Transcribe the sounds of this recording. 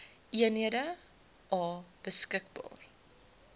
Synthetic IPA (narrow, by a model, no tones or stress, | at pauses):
ʔiənɦiədə | ʔɑːb̥əskək̚bɑ̰ːr